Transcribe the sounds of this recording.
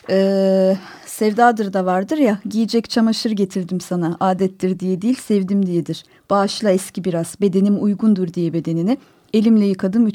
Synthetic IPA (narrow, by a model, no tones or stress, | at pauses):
ɛː | sɛvd̪aːd̪ɯɾd̪avaɾd̪ɯɾjaɟijid͡ʒɛct͡ʃʰamaʃɯɾɟe̞t̪ʰiɾd̪imsanaʔaːd̪ɛt̪ːiɾd̪ijɛd̪ijːilʲsɛvd̪imd̪ijɛd̪iɾ̥ | b̥aːʃlˠaɛscibiɾaz̥be̞d̪e̞nimujɡund̪uɾd̪ijɛbe̞d̪e̞nini | e̞lʲimlʲɛjɯkʰad̪ɯmy